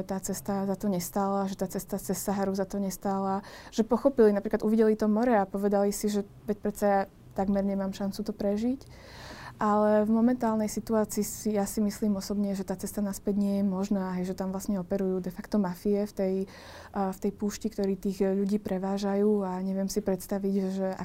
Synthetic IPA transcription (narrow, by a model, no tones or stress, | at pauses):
ɛt̪aːt͡sɛst̪azat̪ɔɲɛst̪aːlaʒɛt̪aːt͡sɛst̪at͡sɛsːaɦaɾuzat̪ɔɲɛst̪aːlaʒ̥ɛpɔxɔpilinapɾiklad̪uʋiɟɛlit̪ɔmɔɾɛapɔʋɛd̪alisiʒɛ | ʋɛc̚pɾɛt̪saja | t̪aɡmɛɾɲɛmaːmʃant͡sut̪ɔpɾɛʒic | ʔalɛvmɔmɛnt̪aːlnɛjsit̪uaːt͡siːsijasimisliːmɔsɔbɲɛʒɛt̪aːt͡sɛst̪anaspɛɟɲɪɛjɛmɔʒnaːɦɛjʒɛt̪amvlasɲɛɔpɛɾujuːd̪ɛfakt̪ɔmafiɛft̪ɛj | ft̪ɛjpuːʃcikt̪ɔɾiːt̪iːɣʎuɟiːpɾɛʋaːʒajuːaɲɛʋɪɛmsipɾɛt̪st̪aʋiɟʒɛa̰